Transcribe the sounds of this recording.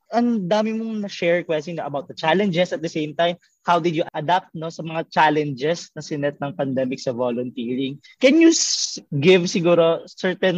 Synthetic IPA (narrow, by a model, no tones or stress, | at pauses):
ʔɐnd̪aːmɪmoŋnɐʃɛɹkwɛst̪ɪŋnoʔɐbawt̪̚d̪ɐt͡ʃalɛ̃nd͡ʒɛsɐt̪̚d̪ɐsẽjmt̪ajm | hawd̪ɪd̪jʊʔʔɐd̪ap̚t̪̚nosɐmɐŋat͡ʃalɛnd͡ʒɛsnɐsɪnɛt̪̚nɐŋpɐnd̪ɛmɪksɐvolʊnt̪iːɹɪŋ | kɛnjusɡɪvsɪɡuːɾosɛɹt̪ɛn